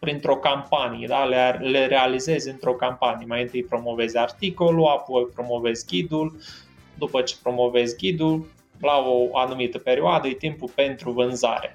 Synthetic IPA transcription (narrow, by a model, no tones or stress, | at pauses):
pɾint̪ɾo̞kampanijḛd̪alele̞ɾe̞alize̞zʲɨnt̪ɾo̞kampanijemajɨnt̪ɨjpɾo̞mo̞ve̞zʲart̪iko̞luapojpɾo̞mo̞ve̞zʲɡʲid̪ul | d̪upət͡ʃe̥pɾo̞mo̞ve̞zʲɡʲid̪ul | laoanumit̪əpe̞ɾioad̪əjt̪impulpe̞nt̪ɾuvɨnza̰ɾe